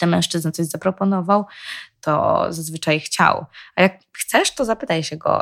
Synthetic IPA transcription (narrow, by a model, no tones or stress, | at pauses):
t̪ɛmɛw̃ʂt͡ʂɘznat̪sɔʑzapɾɔpɔnɔvawt̪ɔ̰zazvɘt͡ʂajxt͡ɕa̰wajak̚xt̪sɛʂt̪ɔzapɘt̪ajɕɛɡɔ̰